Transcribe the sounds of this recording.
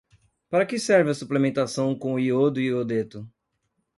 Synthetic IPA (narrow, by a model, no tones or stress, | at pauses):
paɾɐkɪsɛɾvɪɐsuplemẽnt̪asɐ̃w̃kõw̃ʊiod̪ʊiod̪et̪ʊ